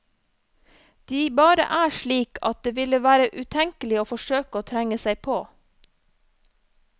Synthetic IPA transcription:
d̪̥iːbɑːɾə̰ʔæːʃɭiːkʰɑ̰t̪̚d̪eːʋɪləʋæːɾəʔʉːt̪ʰɛŋkəlɪoːfɔʃøːkəoːt̪ʰɾæŋəsæɪpʰoː

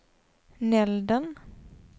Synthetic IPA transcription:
nɛld̪ən

